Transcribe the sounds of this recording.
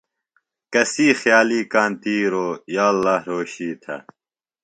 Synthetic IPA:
kɐsiːxjaːliːkaːnt̪iːɾoːjaːlːaːhɾoːɕiːt̪ʰɐ̰

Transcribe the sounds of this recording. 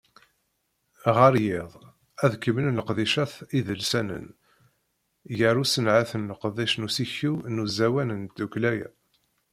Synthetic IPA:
ʁəɾjɪðˤ | æðkəmənləqðiʃæθiðəlsænə̰n | jəɾusənʕaθənləqðˤiʃnusiçinuzæwænənd̪uklæjæ̰

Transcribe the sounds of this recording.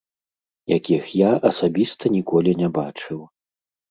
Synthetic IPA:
jakʲixjaʔɐsabʲist̪ɐnʲikɔlʲinʲɛbat͡ʂɨw

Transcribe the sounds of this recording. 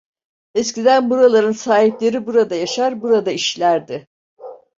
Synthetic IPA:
ɛscid̪ænbuɾalˠaɾɯnsaːɦiplʲe̞ɾibuɾad̪ajaʃaɾbuɾad̪aiʃlʲæɾd̪ɪ

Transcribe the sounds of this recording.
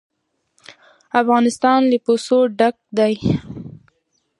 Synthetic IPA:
afɣɑnɪst̪ɑnləposoɖak̚d̪aj

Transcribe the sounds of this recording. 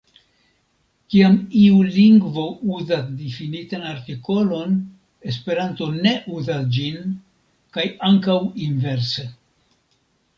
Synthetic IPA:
kiamiuliŋɡvo̞uzasdifinitanaɾtiko̞lo̞n | e̞spe̞ɾanto̞ne̞ʔuzasd͡ʒin | kajaŋkawinve̞ɾse

